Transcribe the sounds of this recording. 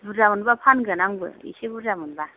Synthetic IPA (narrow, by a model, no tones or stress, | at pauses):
buamunbapʰanɡɯnaŋbɯ̰ḭsibuɾamunba